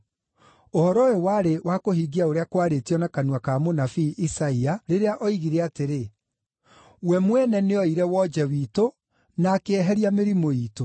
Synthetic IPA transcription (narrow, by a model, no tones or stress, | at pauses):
ohɔɾɔewaɾewʔakohiɡiaoɾeakwaɾetiɔnakanuakaːmonafiʔːsaiaɾeɾeaʔɔiɣiɾɛateɾe | wɛmwɛnɛneɔiɾɛwɔd͡ʒɛwiːto | nakeɛɦɛɾjameɾimoiːto